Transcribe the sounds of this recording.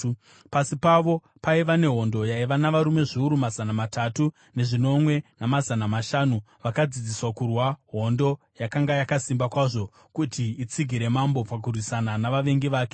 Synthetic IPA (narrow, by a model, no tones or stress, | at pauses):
pasipaʋo̞ | paiʋane̞ɦo̞ndo̞jaiʋanaʋaɾume̞ʐiuɾumazanamatatu | ne̞ʐino̞mwe̞namazanamaʃaːnu | ʋakad͡zid͡ziswakurwaɦo̞ndo̞ | jakaŋɡajakasimbakwaʐo̞ | kutʰiit͡siɡʱiɾe̞mambo̞paɡʱurwisananaʋaʋe̞ŋɡiʋaːke